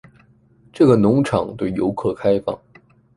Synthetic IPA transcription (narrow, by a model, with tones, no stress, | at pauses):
ʈ͡ʂɤ˥˩ɡə˩nʊ˧˥ŋʈ͡ʂʰɑ˨˩ŋt̪we˥˩ɪjo˧˥ʊkʰɤ˥˩kʰa˥ɪfɑ̰˥˩ŋ